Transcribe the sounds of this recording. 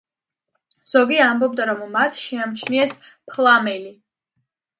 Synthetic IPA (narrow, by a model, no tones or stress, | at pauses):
z̥ɔɡiambɔb̚d̪aɾɔmːat̪ʰʃiamt͡ʃʰniɛs | pʰlˠamɛli